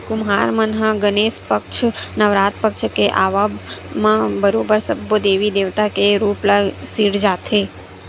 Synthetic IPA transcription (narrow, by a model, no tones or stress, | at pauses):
kʊmɦaːɾmənɦãɡəneːspəkt͡ʃʰnəʋɾaːt̪̚pəkt͡ʃʰkeʔaːʋamãbəɾoːbəɾsəbːod̪eːʋid̪eːʋt̪akeɾuːpləɡsiɽd͡ʒaːt̪ʰe